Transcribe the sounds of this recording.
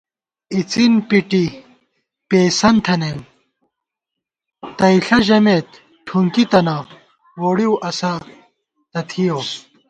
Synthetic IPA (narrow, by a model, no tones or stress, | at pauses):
it͡sinpiʈi | peːsɐnt̪ʰɐnem | t̪ɐiɬɐʑɐmeːt̪ | ʈʰuŋkit̪ɐna | woːɽiwʔɐsɐ | t̪ɐt̪ʰijoː